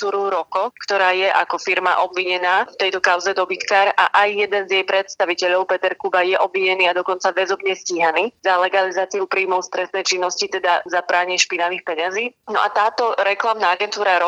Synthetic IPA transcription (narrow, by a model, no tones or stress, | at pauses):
t̪uːɾuɾɔkɔkt̪ɔɾaːjɛʔakɔfiɾma̰ʔɔbʋiɲɛnaːft̪ɛjt̪ɔkaʊzɛd̪ɔbit̪kaːɾaʔajːɛd̪ɛnzjɛjpɾɛt̪st̪aʋicɛʎɔʊpɛt̪ɛɾkubajɛʔɔbʋiɲɛniːad̪ɔkɔnt͡saʋɛzɔbɲɛsciːɦaniːzalɛɡalizaːt͡siupɾiːmɔʊst̪ɾɛst̪nɛjt͡ʃinːɔscit̪ɛd̪azabɾaːɲɪʃpinaʋiːxpɛɲaziːnɔʔat̪aːt̪ɔɾɛklamnaaɡɛnt̪uːɾaɾɔ